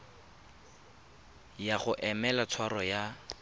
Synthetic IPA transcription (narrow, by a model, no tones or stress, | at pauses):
jaχʊʔɛmɛlat͡sʰwarɔja